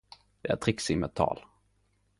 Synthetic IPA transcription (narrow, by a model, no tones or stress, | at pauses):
d̪̥ɛæ̰t̪ʰɾɪksɪmət̪ʰːɑ̰ːl